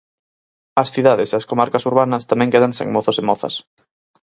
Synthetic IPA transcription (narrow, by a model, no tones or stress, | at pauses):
ɐsθiðaðeseaskomaɾkɐsuɾβanɐst̪amɛ̃ŋkeðaŋsḛŋmɔθʊsemɔθɐ̰s